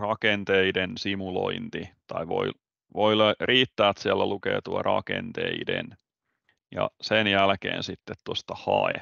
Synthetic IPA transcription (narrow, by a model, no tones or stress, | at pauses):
rɑkent̪eidensimuloint̪it̪ɑiʋo̰i | ʋoilrʔiːt̪ːæːt̪siælːælukḛːt̪uɑrʔɑkḛnt̪eidḛn | jɑ̰senjælkḛːnsit̪ːet̪t̪ost̪ɑhɑe